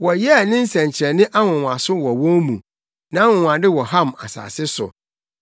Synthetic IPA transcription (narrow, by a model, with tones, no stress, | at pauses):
wɔ˨jɛ˦˨nɪ̃˦n̩˦sɛ̃˨ɲ˨t͡ɕʰɛ˨nɪ̃˦ʔa˦wɔ̃˨wa˨sʊ˦wɔ˨wɔ̃˦mṵ̃˨ | nã˨˦a˦wʊ̃˨wã˨dɪ˦wɔ˨ɦã˦˨ma̰˨sa̰ː˨sɪ˦sʊ̰˨